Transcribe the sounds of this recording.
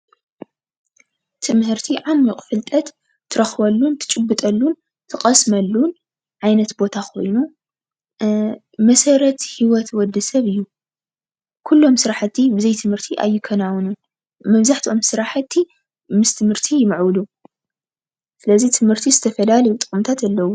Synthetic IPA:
t̪ʰɨmhɨɾt̪ʰiʕanmikʼfɨlt̪ʼɐt̪ | t̪ʰːɨɾɐxbɐlːunt̪ʰɨ̥t͡ʃʼɨbːɨt̪ʼɐlːun | t̪ʰɨkʼɐsmɐlːun | ʕajnɐt̪bo̞t̪ʰakʰo̞̰jnu | mɐsɐɾɐt̪hiwɔt̪wɔd̪ːɨsɐβɨjːu | kʰulːo̞msɨɾaħɨt̪ʰːibɨzɐjt̪ʰɨmhɨɾt̪ʰiʔa̰jːɪkʰɐnawnun | mɐβzaħt̪ʰiʔo̞msɨɾaħat̪ʰːi | mɨst̪ʰɨmhɨɾt̪ʰijɪmɐʕwɨlu | sɨlɐzit̪ʰɨmhɨɾt̪ʰizɨt̪ʰɐfɐlalɐjut̪ʼɨkʼɨmt̪ʰat̪alːɐwu

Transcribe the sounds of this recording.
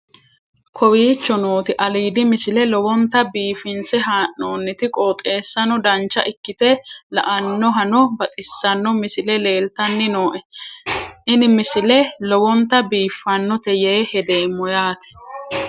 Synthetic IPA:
kʰɔwiːt͡ʃːɔno̞ːt̪ɪʔɐliːd̪ɪmɪsɪlɛlɔwɔnt̪ɐbiːfɪnsɛɦaːʔːoːnːɪt̪ɪkʼoːt̪ʼe̞ːsːɐnɔd̪ɐnt͡ʃːɐʔɪkːɪt̪ɛlɐ̰ʔɐnːɔɦɐnɔbɐt̪ʼɪsːɐnːɔmɪsɪlɛle̞ːlt̪ɐnːɪnoːʔɛ | ʔɪnɪmɪsɪlɛlɔwɔnt̪ɐbiːfːɐnːɔt̪ɛjeːhɛd̪e̞ːmːɔjaːt̪ɛ̥

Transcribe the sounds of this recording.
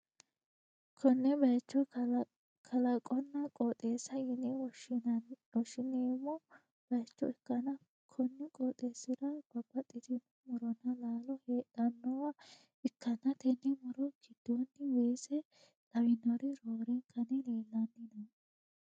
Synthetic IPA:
kʰɔnːɛbɐjt͡ʃːɔ | kʰɐlɐkʼɔnːɐkʼɔt̪ʼeːsɐjɪnɪɔ | wɔʃɪneɪmːɔ | b̥ɐjt͡ʃːɔ̰ɛkːɐnɐ | kʰɔnːɪkʼɔt̪ʼːeːsɪd̪ɐb̥ɐbːɐt̪ʼːɪd̪ɪmːɔmʊɾɔnːɐlaːlɔheːt̪ɐnːɔwɐ | ɛkːɐnːɐt̪ɛnːɪmʊɾɔɡ̥ɪd̪̥ːonːɪweːsɛ | tʼɐbɪnːɔɾɪɾoːɾɛŋkʰɐnɪleːlːɐnːɪnɐ

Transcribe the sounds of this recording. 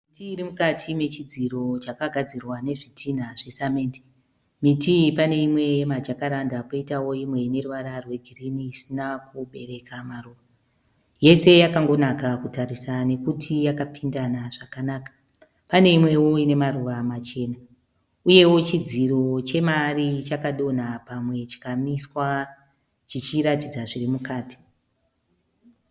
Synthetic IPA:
mitiːrimukatʰime̞t͡ʃid͡ziro̞t͡ʃakaɡʱad͡zirwane̞ʐitʰin̤aʐe̞sameːndi | mitipane̞imwe̞jemad͡ʒakaɾandapoitawo̞imwe̞ne̞ruʋaɾarwe̞ɡʱiriniːsinakuɓe̞re̞kamaruːʋa | je̞se̞jakaŋɡo̞nakakutaɾisane̞kutʰijakapʰindanaʐakanaːkḁ | pane̞imwe̞wo̞ine̞maruʋamat͡ʃe̞ːna | uje̞wo̞t͡ʃid͡ziro̞t͡ʃe̞marit͡ʃakaɗo̞napamwe̞t͡ʃi̥kamiswa | t͡ʃit͡ʃiɾatid͡zaʐirimukaːti̥

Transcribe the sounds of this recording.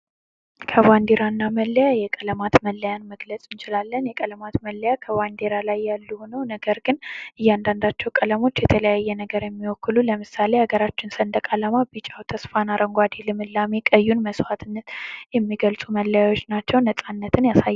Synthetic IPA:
kʰəβand̪eɾanːaməlːəjajɛkʼələmat̪məlːəjanməɡlət͡sʼɨnt͡ʃɪlalːənjɛkʼələmat̪məlːəjakʰəβand̪eɾalajːalːuhonəwnəɡəɾɡɨnʔɨjːand̪and̪at͡ʃːɛwkʼələmo̞t͡ʃːjɛt̪ʰələjajːɛnəɡəɾjɛmːiwɔkːɨluləmɨsale̞aɡəɾat͡ʃːɪnsənd̪əkʼaləmabɨt͡ʃʼawt̪ʰəsfanaɾʔəŋɡʷad̪ilɨmɨlːamekʼəjːunməswat̪ʰɨnːət̪jɛmːiɡəlsʼuməlːəjawo̞t͡ʃːnat͡ʃːɛwnəsʼanːət̪ʰɨnjasaj

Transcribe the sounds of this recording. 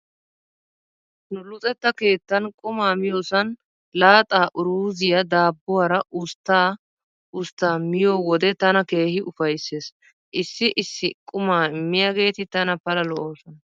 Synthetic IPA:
nʊlʊt͡sʼɛt̪ːɐke̞ːt̪ːɐnkʼʊmaːmɪjoːsɐn | laːt̪ʼaːʔʊɾuːzɪjad̪aːbːʊwɐɾɐʔʊst̪ːaː | ʊst̪ːaːmɪjo̞ːwɔd̪ɛt̪ɐnɐke̞ːhɪʔʊfɐjse̞ːs | ʔɪsːɪʔɪsːɪkʼʊmaːmːɪjaɡe̞ːt̪ɪt̪ɐnɐpɐlɐlɔʔoːsɔnɐ

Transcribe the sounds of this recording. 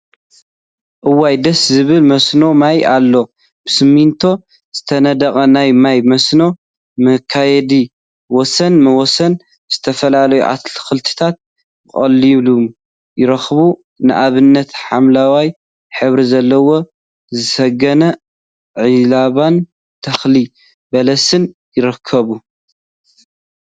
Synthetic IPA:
ʔɨwajd̪ɐszɨβɨlmɐsno̞majʔalːo̞ | b̥ɨsɨmːint̪ʰo̞ | z̥ɨt̪ʰɐnɐd̪ɐkʼɐnajmajmɐsno̞ | mɐkʰːajɛd̪i | wɔsɐnmɐwɔsɐn | z̥ɨt̪ʰɐfɐlalɐjṵʕa̰t̪lxɨlt̪ʰɨ̥t̪ʰat̪̚ | bɨkʼɐlːilum | jɪɾɐxβu | nɨʔaβɨnːɐt̪ħamlawaj | ħɨβɾizɐlːɐwo̞ | zɨsɐɡɐnɐ | ʕilaβan | t̪ʰɐxli | bɐlɐsɨnjɪɾɨkʰːɐβu

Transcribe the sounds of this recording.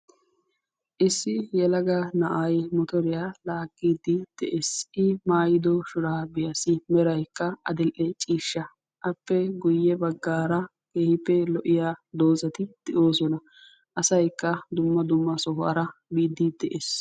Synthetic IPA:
ʔɪsːɪjɛlɐɡɐnɐʔɐjmɔt̪ɔɾɪjalaːkʼːiːd̪ɪd̪̥ɛʔeːsʔɪmaːjɪd̪ɔʃʊɾaːbɪjɐsɪmɛɾɐjkːɐɐd̪ɛlʔɛt͡ʃʼiːʃːɐ | ʔɐpːɛɡʊjːɛbɐɡːaːɾɐ | keːhɪpːɛlɔʔɪjaːd̪o̞ːzɐt̪ɪd̪̥ɛʔo̞ːsɔnɐ | ʔɐsɐjkːɐd̪ʊmːɐd̪ʊmːɐsɔhɔɐ̰ɾɐbiːd̪ːɪd̪ɛʔeːs

